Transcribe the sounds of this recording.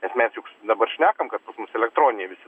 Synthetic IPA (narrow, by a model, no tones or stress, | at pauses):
nʲɛsmʲɛsjʊkd̪ɐbɐrʃʲnʲæːkɐmkɐt̪pɐsmʊsɛlʲɛk̚t̪ɾoːnʲɪnʲɛʋʲɪsʲɪ